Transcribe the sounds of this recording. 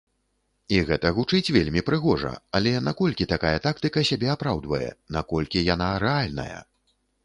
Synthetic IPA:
iɣɛt̪ɐɣut͡ʂɨt͡sʲvʲelʲmʲipɾɨɣɔʐɐ̰alʲɛnakɔlʲkʲit̪akajɐt̪akt̪ɨkɐsʲabʲɛapɾawd̪vɐjɛ̰nakɔlʲkʲijan̪aɾɛalʲnɐ̰jɐ̰

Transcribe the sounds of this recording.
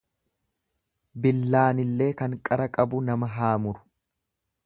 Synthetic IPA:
bɪlːaːnɪlːe̞ːkɐŋkʼɐɾɐkʼɐbʊnɐmɐɦaːmʊɾʊ̥

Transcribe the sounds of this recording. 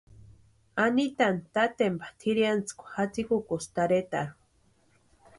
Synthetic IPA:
anit̪ant̪at̪empḁt̪ʰiɾjant͡skʷḁxat͡sikukost̪aɾet̪a̰ɾu

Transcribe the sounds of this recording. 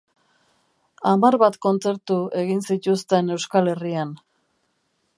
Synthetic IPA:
amaɾβat̪ko̞nt͡se̞ɾt̪ue̞ɣinsit̪ust̪e̞ne̞wskale̞rian

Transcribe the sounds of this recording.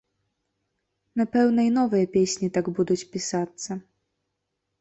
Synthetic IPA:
napɛwnɐinɔvɨjɐpʲesʲnʲit̪aɡbud̪ut͡sʲpʲisat̪sːɐ

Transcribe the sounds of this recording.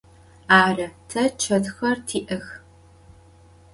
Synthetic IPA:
aːrɐtʰɐt͡ʃʰɐtxɐrtʰiːʔɐx

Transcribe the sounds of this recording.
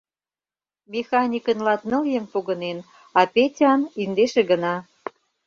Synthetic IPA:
mʲexɑnʲikənlɑt̪nə̆ljəmpoɣənen | ɑpetʲɑnind̪eʃeɣə̆nɑ

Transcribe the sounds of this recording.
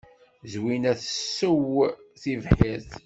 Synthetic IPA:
zwinæθəsːəwθivħiθ

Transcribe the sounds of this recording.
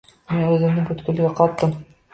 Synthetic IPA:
menʉzɘ̆mnɘŋbɵ̆t̪kɵ̆lɡæqɒt̪ːɤm

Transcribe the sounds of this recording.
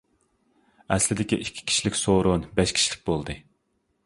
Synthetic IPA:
ɛslɪd̪ɪkʲiʔikʲʰːi̥kʲʰi̥ʃilɪkʲsoɾʊnbɛʃkʲʰi̥ʃilɪ̥k̚ʲbolˠd̪ɨ

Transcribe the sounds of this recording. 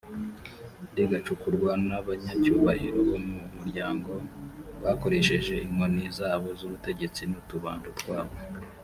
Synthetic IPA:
diɡat͡ʃukuɾɡwanaβaɲacuːβaɾiɾoβomumuɾɟaːŋɡo̞βako̞ɾe̞ʃe̞ʒe̞ʔiŋonizaːβo̞zuβute̞ɟe̞t͡sinutuβa̰ːndutɡwaːβo̞

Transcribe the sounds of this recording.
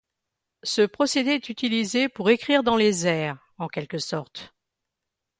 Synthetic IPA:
səpχɔsed̪eɛt̪yt̪ilizepuʁekχiʁd̪ɑ̃lezɛːʁ | ɑ̃kʲɛlkəsɔʁt̪

